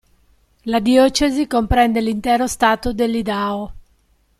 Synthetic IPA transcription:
lad̪iɔːt͡ʃezikompɾɛnd̪elint̪ɛːɾost̪aːt̪od̪elːid̪aːo

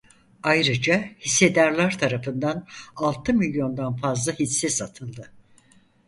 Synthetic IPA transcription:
ajɾɯd͡ʒahisːe̞d̪aɾlˠaɾt̪ʰaɾafɯnd̪analˠt̪ʰɯmilʲjo̞nd̪anfazlˠahit͡ʃsɛsat̪ʰɯlˠd̪ɯ

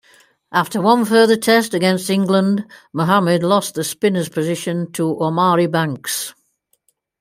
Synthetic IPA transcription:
ʔaftəwʌ̃nfɜːðətʰɛstəɡɛ̃nstɪ̃ŋɡlə̃ndməɦamədˡlɒsðəspɪ̃nəz̥pʰəzɪʃə̃ntʰəʔɔmɑːɹibãŋks

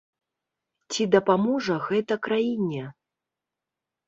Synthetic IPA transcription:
t͡sʲid̪ɐpamɔʐɐɣɛt̪ɐkɾajinʲɛ

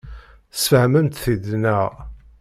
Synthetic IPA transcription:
sfəhməmt̪θid̪næʁ

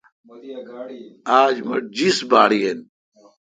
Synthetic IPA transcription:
aːd͡ʑmɐ̰ʈ̚d͡ʑisbaːɽien

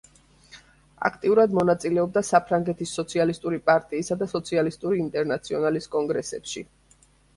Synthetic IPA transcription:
a̰kʰt̪ʼiuɾad̪mɔnat̪sʼilɛɔb̚d̪asapʰɾaŋɡɛt̪ʰisːɔt̪sʰialist̪ʼuɾipʼaɾt̪ʼiːsad̪asɔt̪sʰialist̪ʼuɾiːnt̪ʼɛɾnat̪sʰiɔnaliskʼɔŋɡɾɛsɛ̰pʃḭ

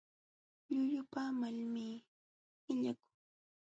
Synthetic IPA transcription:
ʎʊʎʊpamalmiː | ɪʎakʊ̥ŋ

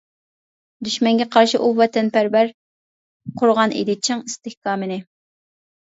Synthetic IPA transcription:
d̪yʃmɛŋɡʲɛqʰɑɾʃiʔuvɛt̪ʰɛnpæɾvæɾ | qʰʊɾʁɑnʔḛd̪ɪt͡ʃʰɪŋist̪ɪhkɑːmɨnɪ

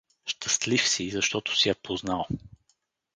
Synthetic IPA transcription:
ʃt̪əst̪lifsizɐʃt̪ɔt̪ʊ̥sijɛpoznalˠ

